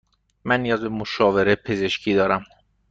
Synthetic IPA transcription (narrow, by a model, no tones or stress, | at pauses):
mænːijɒːzbemoʃɒːve̞ɾepʰe̞ze̞ʃcʰiːd̪ɒːɾæm